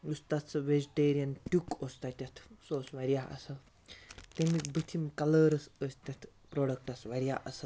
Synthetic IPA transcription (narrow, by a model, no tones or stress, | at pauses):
ust̪at͡sɐʋed͡ʒiʈeːɾijɐnʈʲukost̪at̪ʲɐt̪ʰsoːsʋɐɾijaʔɐ̰sɐl | t̪emikbət̪ʰimkɐləɾɐsəst̪ʲɐt̪ʰ | pɾoːɖɐk̚ʈɐsʋɐɾjaʔɐsal